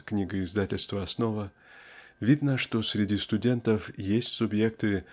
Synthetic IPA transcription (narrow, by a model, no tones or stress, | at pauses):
knʲiɡəɪzd̪atʲɪlʲst̪vəɐsno̞və | vʲid̪nəʂt̪o̞sʲɾʲɪdʲist̪ʊdʲe̞nt̪əfjesʲtʲsʊbje̞k̚t̪ɨ